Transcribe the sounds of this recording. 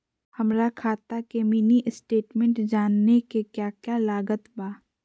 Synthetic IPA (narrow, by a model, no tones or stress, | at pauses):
hɐmɾakʰaːt̪akemiːniʔɪsʈeːʈmẽɳʈd͡ʒaːnːekekjaːkjaːlaːɡət̪baː